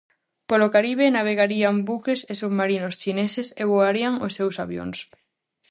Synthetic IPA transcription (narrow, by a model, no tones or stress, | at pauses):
polokaɾiβ̞enaβ̞eɣaɾiambukesesuβmaɾinost͡ʃineseseβoaɾiaŋosːewsaβjo̰ŋs